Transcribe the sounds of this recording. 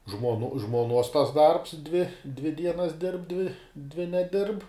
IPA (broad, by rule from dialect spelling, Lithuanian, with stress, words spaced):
ʒmoːnʊ ʒmuɔˈnuɔs tɐs dɐrps dʲʋʲɪ dʲʋʲɪ ˈdʲiɛnɐs dʲɪrp dʲʋʲɪ dʲʋʲɪ nʲɛˈdʲɪrp